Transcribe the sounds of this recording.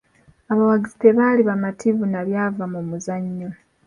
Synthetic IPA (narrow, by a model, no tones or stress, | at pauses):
aβawaɡiziteβaːliβamatʰivunaβjaːvamumuzaɲːo